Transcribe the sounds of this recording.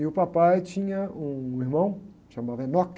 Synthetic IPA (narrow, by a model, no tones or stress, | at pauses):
ɪʊpapajt͡ʃĩɲɐũiɾmɐ̃w̃ | ʃɐmadẽnɔk